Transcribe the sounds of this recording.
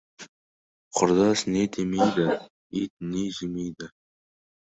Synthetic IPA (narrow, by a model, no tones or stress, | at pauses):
qʰʊɾd̪ɑsned̪emejd̪ɪ | it̪̚neʒɪmejd̪ɪ